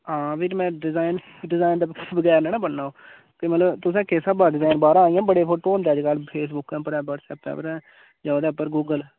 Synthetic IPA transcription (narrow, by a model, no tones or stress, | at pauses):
ɦãːbiːɾmɛ̃ːɖɪzaːɪn | ɖɪzaːɪnd̪ebəɡɛːɾnɛːnãːbəɳːaːoː | kimət̪ləbt̪ʊsãːkesãːbaːɖɪzaːɪnbaːɾãːaːɪ̃jãːbəɽeːpʰoːʈoːnd̪eːd͡ʒkalpʰeːs̬bʊkɛ̃ːpəɾɛ̃ːbəɾsɛ̰ːp̪̚ɛ̰ːpəɾɛ̃ː | d͡ʒaod̪eːpːəɾɡuːɡəl